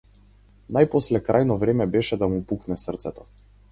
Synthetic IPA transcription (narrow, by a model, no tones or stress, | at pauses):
najpɔslɛkɾajnɔvɾɛmɛbɛʃɛd̪amupuknɛsərt̪sɛt̪ɔ̥